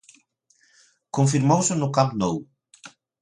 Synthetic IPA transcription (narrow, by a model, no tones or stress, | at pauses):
kõɱfiɾmowsɪnʊkampnow